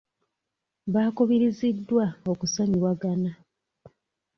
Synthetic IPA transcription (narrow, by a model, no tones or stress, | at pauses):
βaːkuβiɾizidːwao̞kusaɲiβwaɡana